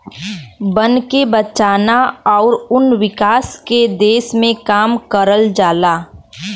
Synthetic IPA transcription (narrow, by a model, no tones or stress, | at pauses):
bənkebət͡ʃaːnaɔːɾʊnwɪkaːsked̪eːsmẽkaːmkəɾəld͡ʒaːlaː